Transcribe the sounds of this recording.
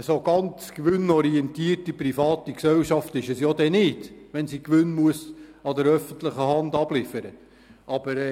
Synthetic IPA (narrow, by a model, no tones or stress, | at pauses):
əsoɡɑnt͡skʋɵnɔɾiɛnt̪iːrtiprifɑːtiksɛwʃɑftɪʃəsjod̪ɛnɪdʋɛnsikʋʏnmuəsɑdəɾœfənt̪ləχəhɑndɑb̥lɪfəɾə | ʔɑb̥əɾ